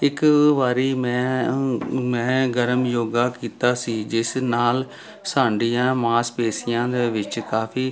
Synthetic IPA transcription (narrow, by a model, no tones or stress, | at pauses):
ɪkʋaːɾiːmɛ̃ː | mɛ̃ːɡəɾəmjoːɡaːkiːt̪aːsiːd͡ʒɪsnaːl | saːɳɖiːjãːmãːspeːsɪjãːd̪eːʋɪt͡ʃkaːpʰiː